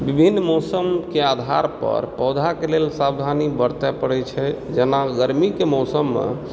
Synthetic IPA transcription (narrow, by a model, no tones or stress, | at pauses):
bibʱinːmɔsəmkead̪ʱa̰ɾpə̰ɾpɔwd̪ʱakelelsabd̪ʱanibəɾt̪ɛpəɽɛt͡ʃʰɛd͡ʒenaɡəɾmikemɔsəmːḛ